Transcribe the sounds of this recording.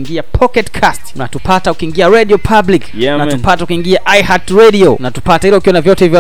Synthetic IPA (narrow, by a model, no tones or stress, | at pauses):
ŋɡiapʰɔkɛtkʰastnatupataukiŋɡiaɾɛɗiɔpʰabliknatupataukiŋɡiaʔajhatɾɛɗiɔnatu̥patahilɛukiwɔnavjɔtɛivjɔ